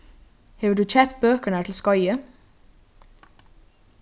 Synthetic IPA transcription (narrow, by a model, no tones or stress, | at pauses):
heːʋəɖʉːc͡çɛpt̪̚bøːkəɳ̩æːʈʰl̩skɑʏə